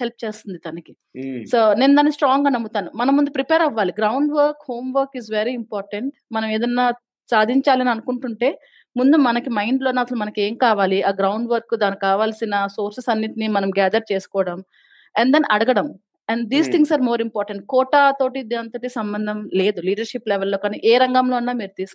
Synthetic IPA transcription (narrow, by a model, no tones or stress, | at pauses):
help̚t͡ʃeːst̪und̪it̪ɐnɐki | soːne̞ːnud̪aːnːkisʈɾaːŋɡaːnɐmut̪aːnumɐnɐmːund̪upɾipeːɾɐʋːaːliɡɾɐwɳɖʋɐɾkho̞ːmʋɐɾkizʋeɾiimpaːɾʈɐɳʈmɐnɐmeːd̪ɐnːaː | saːd̪ʱiɲt͡ʃaːlɐniɐnukuɳʈuɳʈe̞ː | mund̪umɐnɐkimɐjɳɖlo̞ːnːaːsɐlumɐnɐke̞ːŋkaːʋaːliʔaːɡɾɐwɳɖʋɐɾkːud̪aːnikaːʋaːlsinɐsoːɾsesɐnːit̪inimɐnɐmɡɛːd̪ɐɾ̚t͡ʃeːsu̥kɔːɽɐm | ɛnd̪ɐniʔɐɽɐɡɐɽɐm | ɐɳɖd̪iːst̪ʰiŋsaːɾmoːɾimpaːɾʈeɳʈ̚kɔːʈaːt̪o̞ːʈid̪iɐnt̪ɐʈisɐmbɐnd̪ʱɐmle̞ːd̪uliːɖɐɾʂiplɛʋɛlːoːkaːniːʔeːɾɐŋɡamlo̞ːunːaːmiːɾut̪iːsu̥k